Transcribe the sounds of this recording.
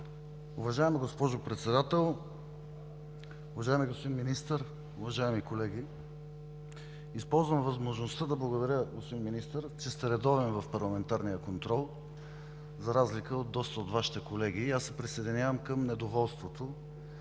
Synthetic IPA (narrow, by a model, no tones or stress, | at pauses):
ʊvɐʒaɛmiɡospɔʒʊpɾɛt̪sɛd̪at̪ɛlˠ | ʊvɐʒaɛmiɡospod̪inminist̪əɾ | ʊvɐʒaɛmikolɛɡ̟i | ispɔlˠzvəmvɐzmoʒnost̪ad̪ɐblˠɐɡod̪ɐɾjəɡospod̪inminist̪əɾt͡ʃɛst̪ɛɾɛd̪ɔvɛnvɐfpɐɾlˠɐmɛnt̪aɾnijəkont̪ɾɔlˠ | zɐɾazlikəod̪̚ːɔst̪əot̪vaʃi̥t̪ɛkolɛɡ̟iːasːɛpɾisɛjd̪inʲjavəmkəmnɛd̪ovɔlˠst̪vot̪o